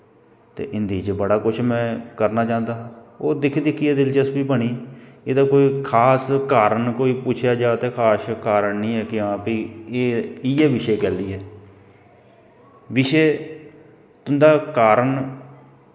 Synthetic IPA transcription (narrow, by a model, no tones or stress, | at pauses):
t̪ḛːʔɪnd̪iːt͡ʃbəɽaːkʊt͡ʃʰmɛ̃ːkəɾnaːt͡ʃãːnd̪aːoːd̪ɪkʰːd̪ɪkʰːiːɛːd̪ɪlt͡ʃəsbiːpəɳiːeːd̪aːkoːiːkʰaːskaːɾəɳkoːiːpʊt͡ʃʰjaːd͡ʒaːt̪eːkʰaːskaːɾəɳnĩːɛːkɪãːpiːeːɪɛːʋɪʃeːkɛːld̪iːɦɛː | ʋɪʃeː | t̪ʊnd̪aːkaːɾəɳ